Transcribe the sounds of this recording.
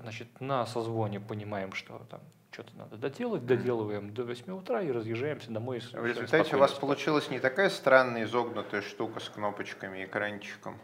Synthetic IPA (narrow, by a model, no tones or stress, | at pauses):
znat͡ɕɪt̪nəsɐzvo̞nʲɪpənʲɪmajɪmʂt̪o̞̰t̪a̰m | t͡ɕo̞t̪əna̰d̪əd̪ɐdʲe̞lˠətʲd̪ɐdʲe̞lˠəvəjɪmd̪ovɐsʲmʲiʊt̪ɾaiɾəzjɪʐːajɪmsʲəd̪ɐmojsvɾʲɪzʊlt̪atʲɪʊvaspəlˠʊt͡ɕilˠəsʲnʲɪt̪ɐkajəst̪ɾanːəjɪzo̞ɡnʊt̪əjəʂt̪ukəskno̞pət͡ɕkəmʲɪːkɾanʲt͡ɕɪ̥kəm